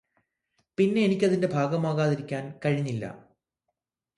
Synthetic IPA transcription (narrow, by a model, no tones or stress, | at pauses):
pinːe̞ːnikʲːɐðinde̞bʱaːɡɐmaːɣaːðiɾikʲːaːnkɐɻiɲːilːɐ̰